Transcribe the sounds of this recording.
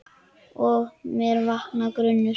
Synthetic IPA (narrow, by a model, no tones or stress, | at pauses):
ɔmɛɾvahknakɾʏnːʏ